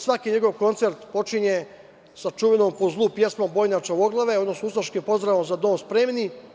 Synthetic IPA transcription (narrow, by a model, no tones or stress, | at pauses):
sʋakiɲe̞ɡo̞ʋko̞nt̪seɾt̪po̞t͡ʃiɲe | sat͡ʃuːʋenompo̞zlˠuːpje̞smombo̞ːjɲat͡ʃaoɡlˠaʋeod̪no̞snuusaʃkimpo̞zd̪ɾaːʋo̞mzad̪o̞ːnspɾeːmni